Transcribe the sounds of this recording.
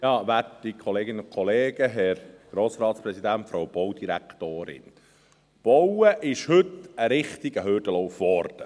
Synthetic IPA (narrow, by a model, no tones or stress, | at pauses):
jɑːʋætikʰɔleːɡɪnəʊkʰχɔleːɡ̥əɦɛɾɡ̥ɾoːsɾɑːtspɾɛsid̪æntfɾawb̥ɔwd̥̪iɾæ̰kt̪oːɾɪ̰n | b̥ɔwəʔɪʃhɵt̪əɾɪχt̪iɡəɦʏɾd̥əlɔwfʋɔɾd̥ə